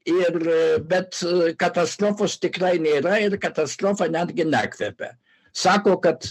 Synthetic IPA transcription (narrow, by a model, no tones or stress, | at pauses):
iɾbɛt̪kat̪ast̪ɾofost̪ɪkɾajniɾaiɾkat̪ast̪ɾofanʲad̪ɡʲɪnɛkvɛpɛ̰ | sakokat̪